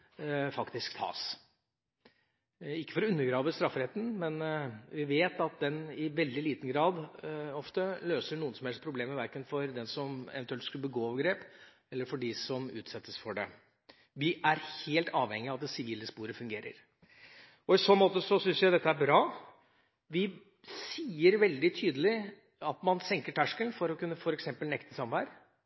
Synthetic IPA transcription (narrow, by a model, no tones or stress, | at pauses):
fɑkt̪ɪskt̪ʰɑ̰ːs | ɪkːə̥fɔɾʉnːəɾɡɾɑːʋəst̪ɾɑfːɾɛt̪ːn̩mɛnʋɪʋeːt̪ɑt̪̚d̪ɛnɪʋɛld̪ɪliːt̪ən̩ɡɾɑːd̪ɔft̪əløːsəɳuːənsɔmhɛlspʰɾʊbleːməʋæɾkənfɔɾd̪ɛnsɔmɛ̰ʋɛnt̪ʉɛlt̪skʉlbəɡoːɑʋɡɾeːp | ɛlːəɾfɔɖɪsɔmʉ̰ːt̪sɛt̪ːəsfɔɖɛ | ʋɪʔæɾheːlt̪ɑːʋhɛŋːɪɑʋɑt̪ɛsɪʋiːləspuːɾəfʉŋɡeːɾə̰ɾ | ɔɪsɔːmoːt̪əsɔsʏnsjæɪd̪ɛt̪ːəæɾbɾɑː | ʋɪ | siːəɾʋɛld̪ɪt̪ʰyːd̪əlɪ | ɑt̪mɑnsɛŋkəʈʰæʂkəlfɔɾɔkʉnːəfɔɾɛksɛmpəlnɛkt̪əsɑmʋæɾ